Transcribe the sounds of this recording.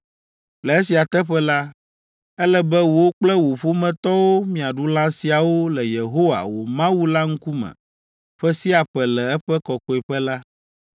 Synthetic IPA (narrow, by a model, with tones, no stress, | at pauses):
lɛ˨e˦si˨a˨t̪ɛ˦ɸɛ˦la˦ | ɛ˦lɛ˦bɛ˦wo˨wo˦k͡plɛ˦wo˨ɸo˦mɛ̃˨t̪ɔ˦wo˦mĩ˨a˨ɖu˦lã˦si˨a˨wo˦lɛ˨je˨ɦo˦wa̰˨wo̰˨mã˦wu˦la˦ŋ̩˦ku˦mɛ̰̃˨ | ɸɛ˦si˦a˨ɸɛ˨lɛ˨ɛ˦ɸɛ˦kɔ˨kɔ˨ɛ˨ɸɛ˦la˦